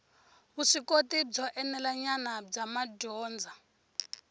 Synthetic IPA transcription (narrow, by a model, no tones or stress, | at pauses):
βuʂikotib͡ʐɔʔɛnɛlaɲanab͡ʐamaɟɔːnd͡zʱa